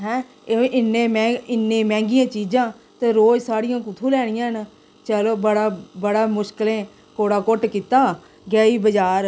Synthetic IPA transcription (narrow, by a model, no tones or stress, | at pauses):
ɦɛ̃ː | eɪnːẽːmɛ̃ːɪnːẽːmɛ̃ːŋɡɪjãːt͡ʃiːd͡ʒãː | t̪eːɾoːd͡ʒsaːɽɪjãːkʊt̪ʰũːlɛːɽ̃ɪjãːɦn | t͡ʃəloːbəɽaːbəɽaːmʊʃkəlẽː | koːɽaːkoʈkiːt̪aː | ɡɛːiːbəd͡ʒaːɾ